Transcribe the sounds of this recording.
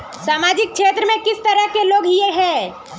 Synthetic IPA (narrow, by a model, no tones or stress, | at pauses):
saːmaːd͡ʒɪk̚kʰʃʰeːt̪ɾəmẽkɪst̪ɐɾəɦkeloːɡjeɦɛ̃ː